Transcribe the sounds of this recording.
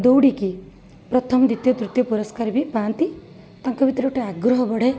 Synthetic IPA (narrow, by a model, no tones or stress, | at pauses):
d̪owɽiki | pɾɔt̪ʰɔmd̪it̪jɔd̪ɾut̪jɔpuɾɔskaɾbʱipaːnt̪i | t̪aŋkɔbit̪ɾeʈeaɡɾɔɦɔbɔɽ̤e